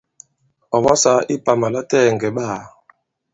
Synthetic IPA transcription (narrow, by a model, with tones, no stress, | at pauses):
ɔ˨ɓɔ˦sa˨˦ʔi˦pa˨ma˨la˦tɛ˦˨ŋɡɛ˨ɓaː˦˨